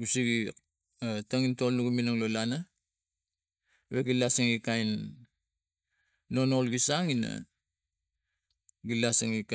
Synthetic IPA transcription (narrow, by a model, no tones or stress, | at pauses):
ɡusiɡi | ataŋintolnuɡuminaŋlolana | βeɡilasaŋikajn | o̞nolɡisaŋina̰ | ɡilasaŋik